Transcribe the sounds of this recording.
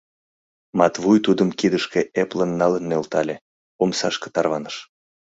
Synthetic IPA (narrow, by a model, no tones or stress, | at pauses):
mɑt̪βujt̪ud̪əmkid̪əʃkeeplənːɑlənːølt̪ɑlʲe | omsɑʃke̥t̪ɑrβɑnəʃ